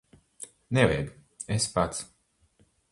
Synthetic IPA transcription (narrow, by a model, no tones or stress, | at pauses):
nɛvɛjd̪u | espat̪s